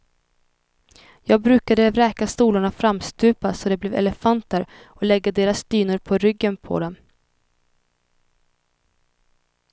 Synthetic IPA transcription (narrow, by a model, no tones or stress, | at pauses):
jɑːɡ̚bɾʉ̟ːkad̪əɾɛːkast̪uːlʊɳafɾamst̪ʉ̟ːpasɔd̪ɛblɛːvɛ̰lɛfant̪əɾ | ɔlɛɡːad̪eːɾasd̪̥yːnʊɾpʰɔɾʏɡːənpʰɔ̰d̪ɛm